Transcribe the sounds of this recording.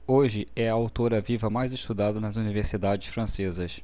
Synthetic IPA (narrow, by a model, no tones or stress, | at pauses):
oʒɪɛɐawt̪oɾɐvivɐmajzɪʃt̪ud̪ad̪ɐnɐzuniveɾsid̪ad͡ʒɪsfɾɐ̃sezɐs